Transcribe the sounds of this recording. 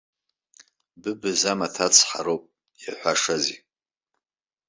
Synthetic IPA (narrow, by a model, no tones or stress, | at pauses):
bɨbɨzamatʰat͡sʰħaɾowpʼ | jaħʷaʂazi